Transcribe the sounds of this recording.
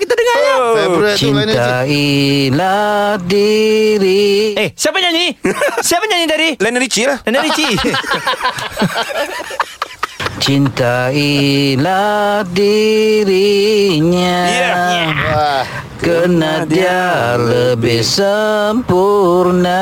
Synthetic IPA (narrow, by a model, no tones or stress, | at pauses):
kit̪adəŋa | t͡ʃint̪ailadiɾiesajapəɲaɲisajapəɲaɲidaɾilɛnəɾit͡ʃilahlɛnəɾit͡ʃi | t͡ʃint̪ailadiɾiɲa | kənadialəbɪhsəmpurna